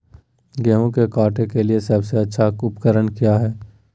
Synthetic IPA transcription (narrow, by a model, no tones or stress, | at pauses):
ɡɛːɦõkekaːʈekeliesɐbseɐtːʃʰaʊpkəɾənkijaɦɛː